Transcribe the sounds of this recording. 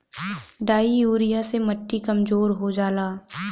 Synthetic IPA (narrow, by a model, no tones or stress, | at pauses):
ɖaːiuːɾijasemɐʈːikɐmzoːɾɦod͡ʒaːlaː